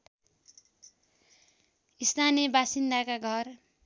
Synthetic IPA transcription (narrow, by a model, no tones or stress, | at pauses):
ist̪ʰanijʌbasind̪akaɡʱʌr